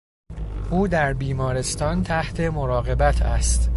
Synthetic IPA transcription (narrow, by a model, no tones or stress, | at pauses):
ʔuːd̪æɾbiːmɒːɾe̞st̪ɒːnt̪ʰæht̪ʰe̞mo̞ɾɒːɣe̞bæt̪ʰæ̰st̪